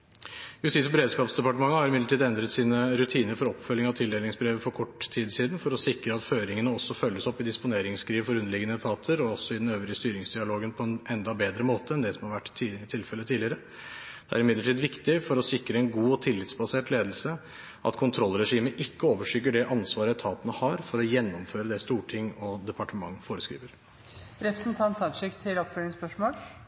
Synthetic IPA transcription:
jʉst̪ɪːsbəɾeːd̪skɑːpsd̪ɛpɑʈəmɑŋːəhɑɾɪmɪd̪əʈʰiːd̪ɛnd̪ɾət̪siːnəɾʉt̪ʰiːnəɾfɔɾɔpːfœlːɪŋɑʋt̪ʰɪld̪eːlɪŋsbɾeːʋəfɔɾkʰɔʈːt̪ʰiːd̪siːd̪n̩fɔɾɔsɪkɾəɑt̪føːɾɪŋənəɔsːɔfœlːəsɔpːɪd̪ɪspʊneːɾɪŋskʰɾiːʋfɔɾʉnːəɭɪɡənət̪ʰɑːt̪ʰəɾɔɔsːɔɪd̪ɛn̩øːʋɾɪəst̪yːɾɪŋsd̪ɪɑloːɡənpʰɔɛnɛnd̪ɑbeːd̪ɾəmoːt̪ʰəɛnd̪ɛsɔmhɑɾʋæʈːit̪ʰɪlfɛlət̪ʰiːdlɪəɾə | d̪ɛæ̰ɾɪmɪd̪ləʈʰiːd̪ʋɪkt̪ɪfɔɾɔsɪkːɾəɛnɡuːɔt̪ʰɪlːɪt̪sbɑseːʈleːd̪əlsə | ʔɑ̰t̪kʰʊnt̪ʰɾɔlːɾɛʂiːməʔɪkːəoːʋəʂʏɡəɖɛʔɑnsʋɑːɾət̪ʰɑːt̪nəhɑɾfɔɾɔjɛnːɔmføːɾəd̪ɛst̪uːʈʰɪŋːɔd̪ɛpɑʈəmɑŋːfoːɾəskɾḭːʋəɾ | ɾɛpɾəsnt̪ʰɑnt̪ɑʂɪkt̪ʰɪlɔpføːɾɪŋspœʂmoːl

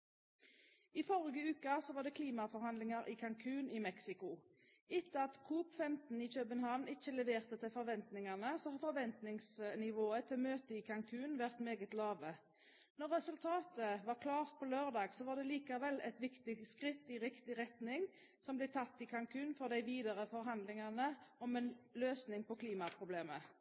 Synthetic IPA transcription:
ifɔʁɪɡəʉːkɑsɔʋɑːʁd̪ɛːkʰliːmɑfɔɾhɑnd̪lɪŋɑɾʔɪːkʰɑŋkʰʉːnɪmɛksɪkʊ | ɪt̪ːəɑt̪kʰuːpfɛmt̪n̩iːçøːbənhɑʋnɪt͡ʃːəlɛʋeːʁt̪ət̪ʰɪlfɔʁʋɛnt̪nɪŋɑʁnəsɔhɑfɔʁʋɛnt̪nɪŋsnɪʋoːət̪ʰɪlmøːt̪əiːkʰɑŋkʰʉːnʋæʁt̪meːɡət̪lɑːʋə | nɔʁːɛsʉlt̪ʰɑːt̪əʋɑʁkʰlɑːʁt̪̚pʰɔløːʁd̪ɑːɡsɔʋɑːʁd̪ɛliːkɑʋɛlːɛ̰t̪ʋɪkt̪ɪskʁɪt̪ːɪʁɪkt̪ɪʁɛt̪nɪŋ | sɔmblɛt̪ʰɑt̪ːɪkʰɑŋkʰʉːnfɔʁd̪æɪʋiːd̪əʁəfɔʁɦɑnd̪lɪŋɑnəɔmɛnløːsnɪŋpɔkʰliːmɑpʰʁʊbleːmə

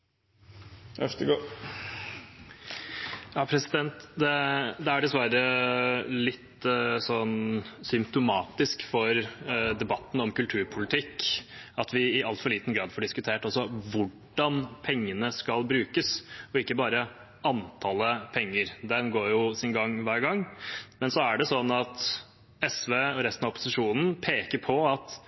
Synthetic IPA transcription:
ɛft̪əɡo | jɑːpʰɾɛsɪd̪ɛnt̪d̪ɛd̪ɛæɖɛsʋæɾə | lɪt̪ːsɔnsʏmpt̪ʊmɑːt̪ɪskfɔɾd̪ɛbɑt̪ːn̩ɔmkʉlt̪ʰʉːɾpʰʊlɪt̪ʰɪkːɑt̪ʋɪɪʔɑlt̪fɔɭiːt̪n̩ɡɾɑːd̪fɔɖɪskʉt̪ʰeːʈɔsɔʋʊɖɑnpʰɛŋːənəskɑlbɾʉːkəsɔɪkːəbɑːɾə | ɑnt̪ʰɑːləpʰɛŋːəɾd̪ɛnɡoːɾjʊsɪnɡɑŋːʋæːɾɡɑŋːmɛnsɔæɖɛsɔnːɑt̪ | ɛsʋeːɔɾɛst̪nɑɔpːʊ̥sɪʂuːnn̩pʰeːkəɾpʰɔɑt̪

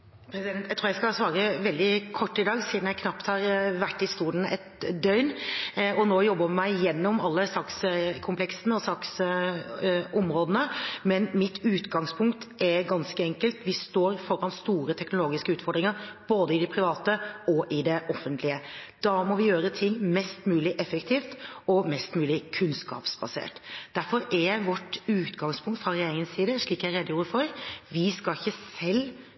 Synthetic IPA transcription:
pʰɾɛsɪd̪ɛnt̪jæt̪ʰuːjɛæɪskɑsʋɑːɾəʋɛld̪ɪkʰɔʈːɪd̪ɑːɡsiːd̪njæɪkʰnɑpt̪hɑɾʋæʈːɪst̪uːd̪n̩ɛt̪d̪œʏnɔnoːjɔbːəʋmæɪjɛnːɔmɑlːəsɑkskʰʊmpʰlɛksənəɔsɑks | ɔmɾoːd̪ənəmɛnmɪt̪ʰʉːt̪ɡɑŋspʰʊŋkt̪ʔɛɾɡɑnskəɛŋkəlt̪ʋɪst̪oːɾfɔɾɑnst̪uːɾət̪ʰɛknʊloːɡɪskəʉːt̪fɔɾd̪ɾɪŋəɾb̥oːd̪əɪd̪ɪpʰɾɪʋɑːt̪əɔʔɪd̪ɛʔɔfːənt̪ʰlɪəd̪̥ɑːmɔʋɪjøːɾət̪ʰɪŋmɛst̪mʉːlɪʔɛfəkt̪ʰiːft̪ɔmɛst̪mʉːlɪkʰʉnskɑ̰ːpsbɑsḛːʈd̪æɾfɔɾɛʋɔʈːʉːt̪ɡɑŋspʰʊŋkt̪fɑɾɪeːɪŋənsiːd̪əʂɭiːkæɪɾeːd̪ːəjuːɾəfɔɾʋɪskɑɪçːəsɛlː

